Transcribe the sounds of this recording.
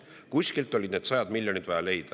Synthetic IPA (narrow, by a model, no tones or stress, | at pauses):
kusʲkilt̪ːˑo̞lʲid̪ned̪sɑjɑd̪milʲjo̞nit̪vɑjɑle̞jd̪̥ɑ